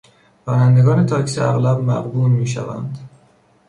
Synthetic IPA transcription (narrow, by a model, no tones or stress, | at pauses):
bɒːnænd̪eɡɒːne̞t̪ʰɒːcʰseæɣlæb̚mæɣb̪uːlmiːʃæ̰væ̰nd̪̥